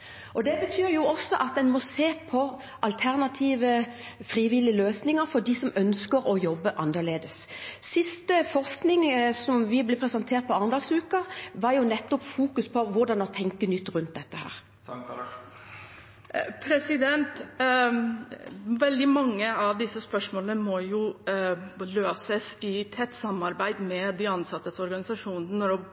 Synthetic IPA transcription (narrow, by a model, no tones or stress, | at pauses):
ʔɔd̪ɛbət̪ʰyːɾjʊɔsːɔʔɑt̪̚d̪ɛnmɔseːpʰɔ | ʔɑlt̪ʰæʁnɑt̪ʰiːʋə | fɾiːʋɪlɪəløːsnɪŋəɾfɔd̪ɪsɔmœnskəɾɔjɔbːəʔɑnːəɾleːd̪əsːɪst̪əfɔʁsknɪŋsɔmʋɪblɛpʰɾɛsɑnt̪ʰeːɾt̪̚pʰɔɑnd̪ɑsʉːkɑʋɑɾjʊnɛt̪ːɔpfuːkʉspʰɔʋʊɾd̪ɑnɔt̪ʰɛŋkənʏt̪ːʁʉnt̪̚d̪ɛt̪ːəhæ̰ːʁ | pʰɾɛsɪd̪ɛnt̪ | ʋɛld̪ɪmɑŋːəɑʋd̪ɪsːəspœʂmoːlənəmɔjʊ | løːsəsɪt̪ʰɛt̪ːsɑmɑɾbæɪd̪mɛd̪ɪɑnsɑt̪ːəsɔɾɡɑnɪsɑʂuːnənənɔɾɔ